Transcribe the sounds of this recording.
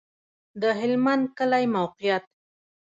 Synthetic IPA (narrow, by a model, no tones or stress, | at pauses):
d̪əɦɪlmand̪̚kəlajmawqɪjat̪̚